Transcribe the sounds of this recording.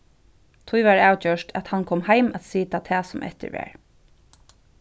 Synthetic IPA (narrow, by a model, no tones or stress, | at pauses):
t̪ʰʊjʋaɹaːwt͡ɕœʃtʰæt̪hankʰɔːmhajmæt̪siːt̪at̪ʰɛːsʊmʔɛ̰t̪ɪ̰ɹʋɛ̰ːɹ